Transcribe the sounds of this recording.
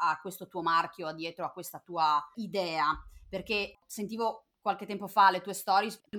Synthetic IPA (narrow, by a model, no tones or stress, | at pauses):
akːwest̪ot̪uːomark̟joad̪ːjɛːt̪ɾoakːwest̪at̪uːaid̪ɛːaperkesent̪iːvo | kwalk̟et̪ːɛmpofalet̪uːest̪ɔːɾjes